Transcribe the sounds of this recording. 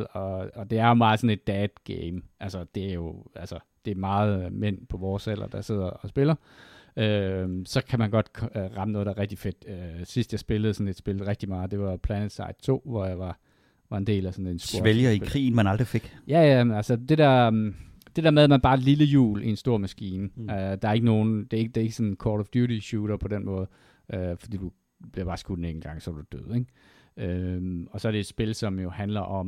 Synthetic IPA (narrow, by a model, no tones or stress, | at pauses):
ɒ̽ɒd̥e̝æɐjo̝mɑ̈ːð̩ˠsɒ̽ne̝d̥̚ːɛːd̥̚ɡ̥eɪmʔælsəd̥e̝æɐjo̝ælsə | d̥e̝mɑ̈ːð̞̩ˠmen̰pʰɒ̽ʋɒːselʔɐd̥ɑ̈se̝ð̞̰ˠɐɒsb̥e̝lɐ | øsɒ̽kʰæmænɡ̥ɒ̽d̥kʰʁɑ̈mənɔ̽ːðˠdɑæːʁɛɡ̥̚d̥ife̝d̥øsisd̥jɑ̈ɪsb̥e̝ləð̩ˠsɒ̽ne̝d̥sb̥e̝l̩ˠʁɛɡ̥̚d̥imɑ̈ːð̩ˠd̥e̝ʋɑ̈pʰlɛned̥sɑ̰̈ɪd̥̚t͡sʰo̝̰ːʋɒjɑ̈ɪʋɑ̈ | ʋɑ̈e̝nd̥e̝̰ːlæsɒ̽nensɡ̥oɐeljɐikʰʁḭːn̩mænɑ̈ld̥ʁife̝ɡ̥jæjænælsəd̥e̝d̥æɐ | d̥e̝d̥ḛɐmeðˠæmænb̥ɑ̈ːedliləjṵːliensd̥o̝ɐ̰mæsɡ̥ḭːnəød̥ɑ̈æɐe̝ɡ̥əno̝ːn̩d̥e̝ɐeɡd̥eɐe̝ɡ̥əsɒ̽nkʰɒːɾɒʋd̥juɾiɕuːɾ̥ɐpʰɒ̽denmɔ̽ːð̞̩ˠ | ʔøfɒ̽d̥ḭːd̥u | b̥eɐb̥ɑ̈ːsɡ̥u̥neŋn̩ɡ̥ɑ̈ŋsɒd̥ud̥ø̰ð̰ˠeŋ̥ | ømɒ̽sɒ̽æɐɾe̝e̝d̥sb̥e̝lsɒ̽mjo̝hænlɐʔɒ̽m